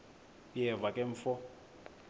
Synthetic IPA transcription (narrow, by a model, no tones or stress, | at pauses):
jɛvakʼɛɱfɔ